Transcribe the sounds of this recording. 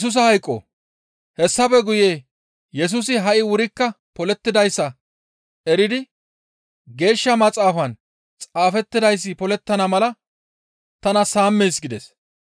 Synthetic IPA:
s̬ʊs̬ɐhɐjkʼːo̰ː | hɛsːɐpɛɡʊje̞ː | jɛs̬uːsɪɦɐʔɪwʊɾɪkːɐ | pɔlɛt̪ːɪd̪ɐjsːɐ | ɛɾɪd̪ɪ | ɡe̞ːʃːɐmɐt͡sʼaːfɐn | t͡sʼaːfɛt̪ːɪd̪ɐjs̬ːɪpɔlɛt̪ːɐnɐmɐlɐ | t̪ɐnɐsaːmːeːsɡɪd̪ɛs

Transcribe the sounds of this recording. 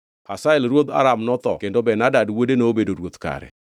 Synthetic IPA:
kasaɛlɾwot̪a̰ɾamnɔt̪ɔ̰kendobɛnadadwodeneobedoɾwot̪ka̰ɾɛ̰

